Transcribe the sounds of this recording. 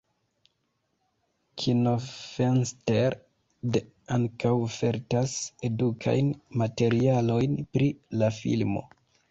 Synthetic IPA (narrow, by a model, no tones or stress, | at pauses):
kʰinofensteɾ | de | aŋkawfe̞ɾtase̞dukʰa̰jnmate̞ɾialo̞jnpɾilafḭlmo̞̰